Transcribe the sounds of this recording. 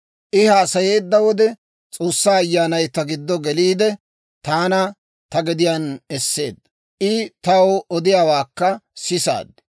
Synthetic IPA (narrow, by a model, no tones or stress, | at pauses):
ʔɪhaːsɐje̞ːd̪ːɐwɔd̪ɛ | t͡sʼo̞ːsːaːjːaːnɐjt̪ɐɡɪd̪ːɔɡɛliːd̪ɛ | t̪aːnɐ | t̪ɐɡɛd̪ɪjaːnɛsːe̞̰ːd̪ːɐ | ʔɪt̪ɐwɔd̪ɪjaːwaːkːɐsɪsa̰ːd̪ːɛ